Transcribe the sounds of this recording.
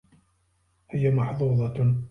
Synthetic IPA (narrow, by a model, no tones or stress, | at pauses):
hɪjamɑħðˤuːd̪ˤɑ